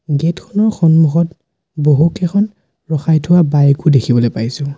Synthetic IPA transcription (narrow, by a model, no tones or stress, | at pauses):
ɡetkʰɔnɔɹxɔnmuxɔt | boɦukʰɛxɔn | ɹɔxajtʰʊwabajekudekʰibɔlojpajsʊ̃